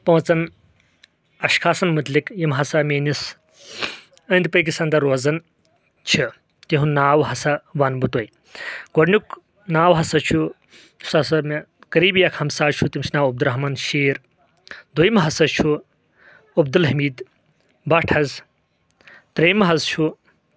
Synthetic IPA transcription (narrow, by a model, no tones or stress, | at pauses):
pɐ̃ːt͡sɐn | ɐʃkʰaːsɐnmɐt̪likjimɦɐsameːnis | ɐnd̪̚pɐjk̬isɐnd̪ɐɾoːzɐn | t͡ʃʰi | t̪iɦũnaːwɦɐsɐʋɐnbut̪ɐj | ɡ̥oɖnʲjuk | naːwɦɐsɐt͡ʃʰu̥ | sɐsɐmɐ | kɐɾiːbjɐkʰhɐmsaːt͡ʃʰut̪imt͡ʃʰinaːwɐb̚d̪uɾɐɦmanʃeːɾ | d̪ujmɦɐsɐt͡ʃʰu | ɐbd̪ulɦɐmiːd̪ | bɐʈʰɐz | t̪ɾeːmɐɦɐzt͡ʃʰu